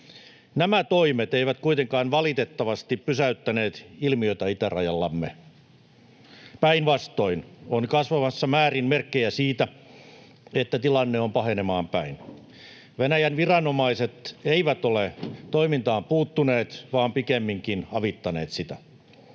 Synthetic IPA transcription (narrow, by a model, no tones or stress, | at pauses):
næmæt̪oimet̪eiʋæt̪kuit̪eŋkɑːnʋɑlit̪et̪ːɑʋɑst̪ippysæyt̪ːæneːt̪ilmio̞it̪æit̪ærɑ̰jɑlːɑmːe | pæinʋɑst̪o̞inonkɑsʋɑmɑsːɑmæːrinmerkːejæsiːt̪æ | et̪ːæt̪ilɑnːeompɑɦenemɑːmpæin | ʋenæjænʋirɑnomɑiset̪eiʋæt̪olet̪oimint̪ɑːmpuːt̪ːuneːt̪ʋɑːmpikemːiŋkinɑʋit̪ːɑneːt̪sit̪æ